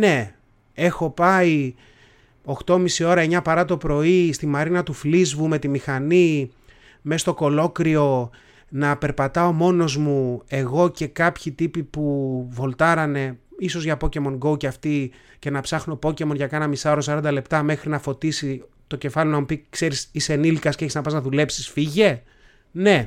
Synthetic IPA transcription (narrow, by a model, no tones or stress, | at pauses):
ne̞ | e̞xo̞pɐi | o̞xt̪o̞misio̞ɾɐeɲɐpɐɾɐt̪o̞pɾo̞ist̪imɐɾinɐt̪uflizvume̞t̪imixɐni | me̞st̪o̞ko̞lo̞kɾio̞ | nɐpe̞ɾpɐt̪ɐo̞mo̞no̞zmue̞ɣo̞ce̞kɐpçit̪ipipuvo̞lt̪ɐɾɐne̞iso̞zʝɐpo̞ce̞mo̞nɡo̞uceɐft̪i | ce̞nɐpsɐxno̞po̞ce̞mo̞nʝɐkɐnɐmisɐoɾosɐɾɐnd̪ɐle̞pt̪ɐme̞xɾinɐfo̞t̪isi | t̪o̞ce̞fɐlionɐmupikse̞ɾisisenilkɐsceeçiznɐpɐznɐðule̞psi̥sfiʝe̞ | ne̞